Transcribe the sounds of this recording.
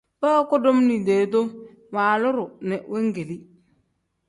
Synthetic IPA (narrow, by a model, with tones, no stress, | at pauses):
bə˦kʊ˦do˦mni˨de˨to˦ | wa˨lʊ˦ɾʊ˨nɛ˨we˦ŋ˦ɡe˨li˦